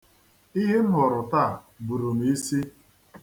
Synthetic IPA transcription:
i˦ɦe˦n̩˦ɦɔ˨ɾʊ˨ta˦˨ | bu˨ɾu˨n˨i˦si˦

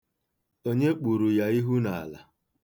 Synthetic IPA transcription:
o˦ɲe˦k͡pu˨ɾu˨ja˦i˦ɦu˦na˨a̰˨la̰˨

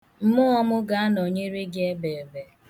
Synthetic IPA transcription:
m̩˦mʊ˦ɔ˦mʊ˦ɡa˦a˦no˨ɲe˦ɾe˦ɡe˦be˨be˨

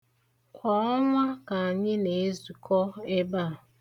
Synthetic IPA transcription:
kʷɔ˨ɔ˦ŋʷa˦ka˨a˨ɲɪ˦ne˨e˦zu˨kʰɔ˦e˦ba˦˨

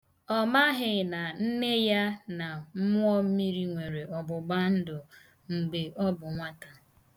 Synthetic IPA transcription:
ɔ˦ma˦ɦɪ˨na˨n̩˦ne˦ja˦na˨m̩˦mʊ˦ɔ˦mi˦ɾi˦ŋʷe˨ɾe˨ɔ˨bʊ˨ɡ͡ba˦n̩˦dʊ˨ | ŋ͡m̩˨ɡ͡be˨ʔɔ˦bʊ˨ŋʷa˦ta˨

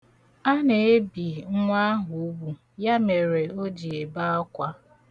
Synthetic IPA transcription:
a˦ne˨e˦bi˨ŋ̩˦ŋʷa˦a˦ɦu˨u˦bu˨ | ja˦me˨ɾe˨o˦d͡ʒi˨e˨ba˦ɔ˦kʷa˦

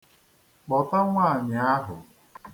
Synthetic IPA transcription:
k͡pɔ˨ta˦ŋʷaː˦˨ɲa˨˦a˦ɦʊ˨

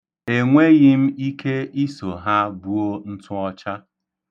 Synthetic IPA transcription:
e˨ŋʷe˦ɣɪ˦m̩˦i˦kʰe˦i˦so˨ɦa˦bu˦o˦n̩˦tʊ˦ɔ˦t͡ʃa˦

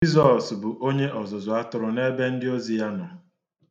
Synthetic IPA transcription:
i˦zɔ˨sbʊ˨ʔo˦ɲe˦ʔɔ˨zʊ˨zʊ˨a˦tʊ˨ɾʊ˨ne˦be˦n̩˦dɪ˦o˦zi˨ja˦nɔ˨

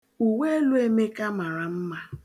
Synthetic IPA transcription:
u˨we˦e˦lu˦e˦me˦ka˦ma˨ɾa˨m̩˦ma˦

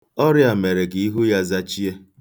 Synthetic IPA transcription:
ɔ˦ɾja˨me˨ɾe˨ɡɪ˨i˦ɦu˦ja˦za˦t͡ʃi˦e˦

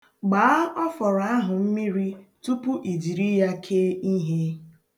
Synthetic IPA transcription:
ɡ͡baː˨a˦ɔ˦fɔ˨ɾɔ˨a˦ɦʊ˨m̩˦mi˦ɾi˦tu˦pʊ˦ʔi˨di˨ɾi˦ja˦kʰe˦i˦ɦe˦

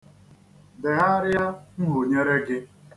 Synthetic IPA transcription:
de˨ɦa˦ɾɪ˦ja˦ŋ̩˦ɦo˨ɲe˦ɾe˦ɡɪ˦

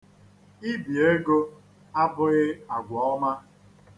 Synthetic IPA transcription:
i˦bi˨e˦ɡo˦ | a˦bʊ˦ɣɪ˦a˨ɡʷɔ˨ɔ˦ma˦

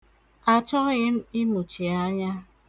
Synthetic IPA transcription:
a˨t͡ʃɔ˦ɣɪ˦m̩˦ɪ˦mu˨t͡ʃi˨a˦ɲa˦

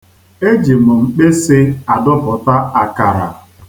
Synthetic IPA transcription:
e˦d͡ʒi˨mʊ˨ŋ͡m̩˨k͡pe˦sɪ˦a˨dʊ˦pɔ˨ta˦a˨ka˨ɾa̰˨

